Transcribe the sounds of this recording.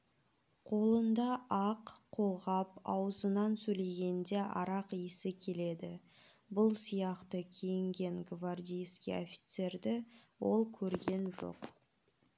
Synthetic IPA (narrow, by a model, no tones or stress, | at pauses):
qʰo̞lˠənd̪ɑɑqqʰo̞lˠʁɑpɑwəzənɑnsɵle̞ɡʲe̞nd̪e̞ʔɑɾɑqijəsɪkʲʰe̞le̞d̪ɪ | bʊlˠsijɑqt̪əkʲʰejɪŋɡʲe̞ŋɡvard̪ʲijskʲḭo̰fʲi̥t̪se̞rd̪ɪwo̞lˠkʲʰɵɾɡʲe̞nʒo̞̰q